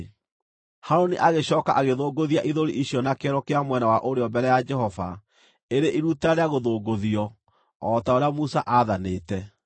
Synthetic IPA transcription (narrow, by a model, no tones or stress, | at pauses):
haɾoniʔaɣeɕɔːkaʔaɣeðoːɡoðiaʔiðoɾḭʔiɕjɔnakɛɾɔkeamwɛnawaʔoɾeɔmbɛɾɛjad͡ʒɛɦɔva̰ | eɾeʔiɾutaɾeaɣoðoːɡoðiɔ | ɔtaoɾeamusaʔaːðaneːtɛ